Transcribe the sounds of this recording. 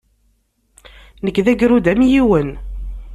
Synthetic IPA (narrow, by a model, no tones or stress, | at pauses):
nəkːðæɡɾud̪æmjiwən